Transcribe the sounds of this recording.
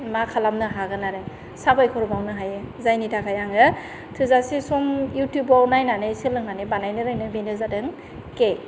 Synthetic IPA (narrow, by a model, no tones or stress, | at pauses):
makʰalamnɯɦaɡɯnaɾɯ | sabajkʰɔɾɔbawnɯɦajɯzajnitʰakʰajaŋɯ | tʰɯzasisumjutjubɔwnajnanɯsɯlɯŋanɯbanajnɯɾɯŋnɯbenɯzadɯŋ | ke